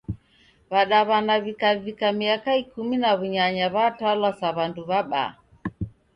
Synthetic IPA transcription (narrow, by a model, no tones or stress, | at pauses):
βaɗaβanaβikavikamiakaikuminaβuɲaɲaβatwalwasaβanduβaɓa̰